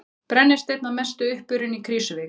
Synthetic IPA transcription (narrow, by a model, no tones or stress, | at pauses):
pɾɛnːɪst̪ejt̪namɛst̪ʏʏhpʏɾʏnikʰɾiːsʏvɪ